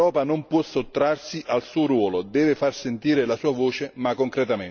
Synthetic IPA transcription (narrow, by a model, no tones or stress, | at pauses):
ɔːpanompwɔsot̪ːɾarsiʔalsuːoɾwɔːlod̪ɛːvɪfarsent̪iːɾɪlasuːavoːt͡ʃemakːoŋkɾɛt̪amen